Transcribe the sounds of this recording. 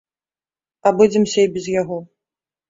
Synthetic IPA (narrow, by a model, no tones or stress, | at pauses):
abud͡zʲɛmsʲɐibʲɛzjaɣɔ